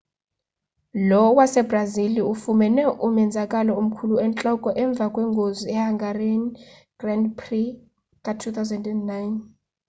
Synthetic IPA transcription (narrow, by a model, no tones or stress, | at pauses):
lɔwasɛbraziliufumɛnɛʔumɛnd͡zʱakʼalɔum̩kʰuluɛnt͡ɬʼɔkʼɔʔɛɱb̪vʱakʼwɛŋɡʱoziɛhaŋɡʱareni | ɡ̥randpʰri | kʼatʰut̪ʰawzɛndɛndnajn